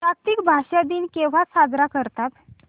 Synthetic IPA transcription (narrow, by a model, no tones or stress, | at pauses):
pak̚t̪ikbʱaɕad̪iːnkeʋ̤asad̪ɾakəɾt̪ap̪